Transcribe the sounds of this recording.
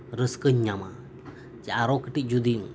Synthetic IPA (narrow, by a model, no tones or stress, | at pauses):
ɾəskəɲɲama | t͡ʃaaɾɔkəʈic̚d͡ʒud̪im